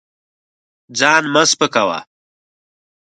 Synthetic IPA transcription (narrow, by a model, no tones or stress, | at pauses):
d͡zɑːnmɐszpəkawa̰